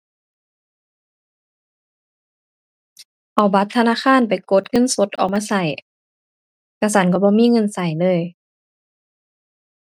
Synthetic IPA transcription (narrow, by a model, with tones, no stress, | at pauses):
ʔa˨˩wba˧˦t̪ʰːa˧naː˧˥˨kʰaː˧˥˨npa˨jko˧˦t̪̚ŋɤ˧˥˨nso˧˦t̪̚ʔɔ̰ː˨˩k̚maː˧˨sa˧˩j | ka˧˩sa˧˦nk̬ɔ˧˩bɔː˧˦miː˧˥˨ŋɤ˧˥˨nsa˨˩jlɤː˧˨j